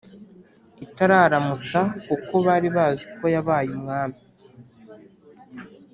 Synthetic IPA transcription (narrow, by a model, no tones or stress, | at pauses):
itaɾaːɾamut͡sakuko̞βaːɾiβaːziko̞jaβaːjumŋaːmi